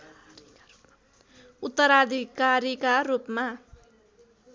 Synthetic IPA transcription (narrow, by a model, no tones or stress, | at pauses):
ut̪ːʌɾad̪ʱikaɾikarupma